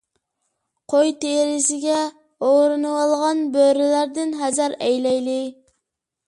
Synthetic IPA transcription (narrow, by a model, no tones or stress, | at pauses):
qʰojt̪eɾɪsɪɡʲɛ | oɾunuɑlˠʁɑnbøɾɪlæɾd̪ɪnɦæzæɾɛjlɛjlˠi